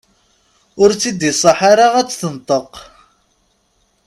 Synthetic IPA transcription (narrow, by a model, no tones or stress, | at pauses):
ʊɾt͡sːid̪isˤɑħaɾaʁæt͡sːθənt̪ˤəq